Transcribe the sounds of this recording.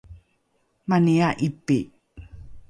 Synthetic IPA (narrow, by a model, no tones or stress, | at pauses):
maniaʔipi